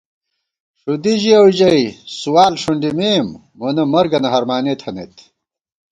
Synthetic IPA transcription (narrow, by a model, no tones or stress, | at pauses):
ʂud̪iʑiɐwd͡ʑɐjsuwaːlʂuɳɖimeːmː | onɐmɐɾɡɐnɐɦɐɾmaːneːt̪ʰɐnḛːt̪